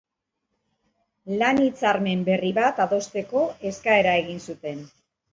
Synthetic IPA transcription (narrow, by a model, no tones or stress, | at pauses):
lanit͡saɾme̞mbe̞riβat̪aðo̞st̪e̞ko̞e̞skae̞ɾae̞ɣinsut̪e̞n